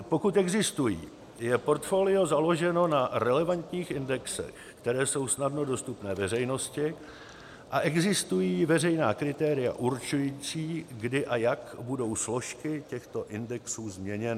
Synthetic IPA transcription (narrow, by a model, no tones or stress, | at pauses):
po̞kut̪ɛɡzɪst̪ujḭː | jɛpo̞ɾt̪fo̞ːlɪo̞zalo̞ʒɛno̞naɾɛlɛvant̪ɲiːxʔɪndɛksɛ̰x | kt̪ɛɾɛːso̞wsnadno̞do̞st̪upnɛːvɛr̝ɛjno̞scɪ | ʔaʔɛɡzɪst̪ujiːvɛrɛjnaːkɾɪt̪ɛːɾɪja̰ʔuɾt͡ʃujiːt͡siːɡdɪʔajakbudo̞wslo̞ʃkɪcɛxt̪o̞ʔɪndɛksuːzmɲɛɲɛnɪ